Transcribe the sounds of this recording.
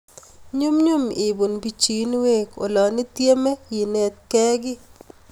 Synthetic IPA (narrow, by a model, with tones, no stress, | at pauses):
ɲo˦mɲo˦mɪ˨bu˨nbi˨t͡ʃi˨˦nwe˦ko˨lɔ˨nɪ˦t̪je˦me˦ji˨ne˨t̪̚kɛ˦ɡɪ˦